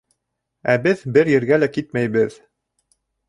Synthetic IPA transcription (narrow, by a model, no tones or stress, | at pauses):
æbɘðbɘɾjɘ̆ɾɡælækit̪̚mæjβɘð